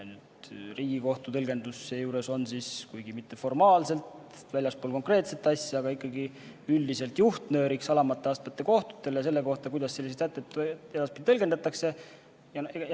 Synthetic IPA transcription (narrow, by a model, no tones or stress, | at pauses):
nyd̪̥riːɡ̥iko̞ht̪ut̪ɤlɡ̥e̞nd̪usːejuːɾe̞so̞nsiskujɡ̥imit̪ːe̞fo̞rmɑːlse̞lt̪ | vælʲjɑspoːlko̞ŋkre̞ːt̪se̞t̪ːɑsʲjɑɑɡ̥ɑikːɑɡi | yld̪ise̞lt̪juht̪nø̞ːɾiksɑlɑmɑt̪ːˑe̞ɑst̪mɑt̪ːˑe̞ko̞ht̪u̥t̪ːˑe̞les̬e̞lːe̞ko̞ht̪ɑkujd̪ɑsselːis̬et̪æt̪ːˑet̪ːed̪ɑspit̪it̪ɤ̞lɡe̞nd̪ɑt̪ːˑɑkse̞ | jɑe